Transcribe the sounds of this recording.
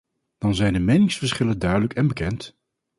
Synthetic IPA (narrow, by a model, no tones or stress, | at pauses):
d̥ɑnzɛjndəmejnɪŋsfəɹsχɪləndœɥdələkɛnbəkɛnt